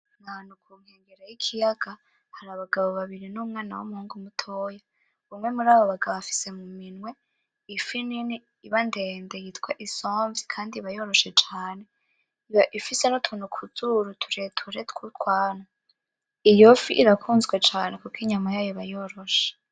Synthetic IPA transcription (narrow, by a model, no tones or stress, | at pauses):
nanukʰuːŋ̥heːŋɡeɾajikʰijaɡ̥a | haɾaβaɡaβo̞βaβiɾinumŋaːna̰wumuhuːŋɡumutʰoːja | βumŋe̞muɾaːβo̞βaɡaβoβafi̥se̞muminwe̞ | ifinini | iβande̞ːndejitkweʔisoːɱvikʰaːndiβajo̞ɾo̞ʃe̞t͡ʃaːne̞ | iβaʔifise̞nutʰuːnukʰuzuɾutʰu̥ɾetʰuɾetkutwaːna | ijofiʔiɾakʰuːnzɡwe̞t͡ʃaːne̞kukiɲamajaːjoβajo̞ɾo̞ʃe̥